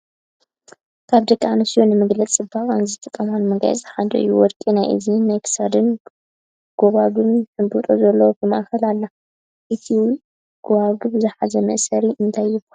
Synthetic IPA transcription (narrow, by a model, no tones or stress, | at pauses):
kʰaβd̪ɐkʼːaʕanɐsijonɨmɨɡlɐt͡sʼɨbaχʼanzɨt̪ʰɐt̪ʼɐmanmɨɡa̰jɛ̰t͡sʼħad̪ɐ̰ʔɨ̰jːuwɔd̪kʼinajʔɨ̰zinajkʰɨ̥sad̪ɨn | ɡ̥oβaɡɨmnħɨmbut̪ʼozɐlːɐwobɨma̰ʔxɐlalːa | ʔɨt̪ʰiw | ɡ̥oβaɡɨbɨzɨħazɐmɐ̰ʔsɐɾiʔɨnt̪ʰajːɪba